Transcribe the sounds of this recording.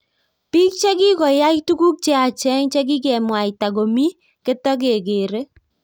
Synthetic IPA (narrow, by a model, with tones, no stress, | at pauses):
pi˦k̚t͡ʃe˦ɡɪ˦kɔ˨ja˦itu˦ku˦k̚t͡ʃe˦a˨t͡ʃɛ˦ŋt͡ʃe˦ɡɪ˦ɡɛ˨mwa˨i˨ta˨ɡo˨mi˦ | ke˦tɔ˦ɡ̬e˨ɡeː˨ɾe˦